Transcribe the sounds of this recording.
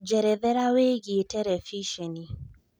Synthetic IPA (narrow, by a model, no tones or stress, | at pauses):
d͡ʒɛɾɛðɛɾaweɡitɛɾɛfiʃeni